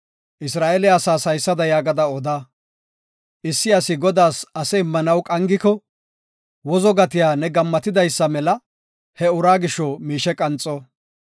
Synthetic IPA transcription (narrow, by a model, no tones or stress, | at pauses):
ʔɪsɾaːʔɛlɛɐsaːsɐjsːɐd̪ɐjaːɡɐd̪ɐɔd̪aː | ʔɪsːɪɐsɪɡɔd̪aːsɐsɛɪmːɐnɐwkʼɐŋɡɪkɔ | wɔzɔɡɐt̪ɪjaːnɛɡɐmːɐt̪ɪd̪ɐjsːɐmɛlɐ | hɛʊɾaːɡɪʃːɔmiːʃɛkʼɐnt͡sʼɔ